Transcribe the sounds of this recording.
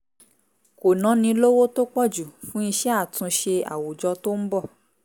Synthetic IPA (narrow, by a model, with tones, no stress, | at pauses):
ko˨nã˨˦nĩ˧lo˦wo˦to˦k͡pɔ˦˨d͡ʒu˨fũ˦i˧ʃɛ˦a˦˨tũ˧ʃe˧a̰˨wu˨d͡ʒɔ˧˦to˦m̩˦bɔ˦˨